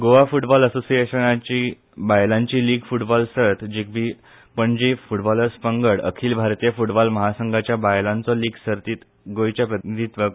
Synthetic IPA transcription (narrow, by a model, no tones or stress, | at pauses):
ɡoʋafuʈbɔləsosijeɕənat͡ɕiː | bajlãɲt͡ɕiːliːɡfuʈbɔlsət̪ʰd͡ʑik̚bi | pəɳd͡ʑifuʈbɔləɾspəŋɡəɽə̰kʰiːlbʱaɾt̪ijəfuʈbɔlməɦasəŋɡʱat͡ɕjabajlãnt͡sɔliːɡsəɾt̪iːt̪ | ɡojt͡ɕjapɾət̪id̪ʱit̪ʋə